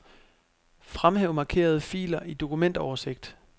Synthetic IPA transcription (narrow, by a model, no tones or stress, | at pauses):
fʁamheʊmɑ̈kʰe̝̰ːɐð̞ˠəfḭːlɐʔid̥o̝kumen̰d̥ɐɒʊɐse̝ɡ̥̚d̥